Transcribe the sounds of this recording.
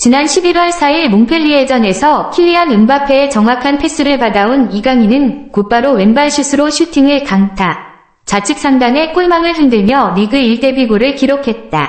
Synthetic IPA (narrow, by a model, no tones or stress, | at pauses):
t͡ɕinanɕʰibiɾwʌɭsʰaiɭmonpʰeʎːied͡ʑʌne̞sʰʌkʰiʎːiɦanɯmbapʰe̞ːt͡ɕʌŋwakʰanpʰe̞s͈ɯɾɯɭpadaoniɡaŋinɯnkup͈aɾowe̞nbaɭɕʰisʰɯɾoɕʰutʰiŋɯɭkaŋtʰa | t͡ɕat͡ɕʰɯk̚s͈aŋdaŋe̞k͈oɭmaŋɯɭɦindɯmjʌniɡɯiɭt͈e̞biɡoɾɯɭkiɾokʰe̞t̚t͈a